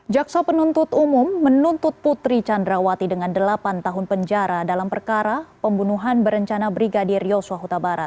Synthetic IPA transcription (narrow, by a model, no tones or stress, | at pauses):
d͡ʒaksapənunt̪ʊt̪umumːənunt̪ʊt̪̚put̪ɾit͡ʃandɾawat̪idəŋandəlapant̪aɦʊnpəɲd͡ʒaɾadalampərkaɾapəmbunuɦanbəɾəɲt͡ʃanabɾiɡadirjosuaɦut̪abaɾa̰t̪̚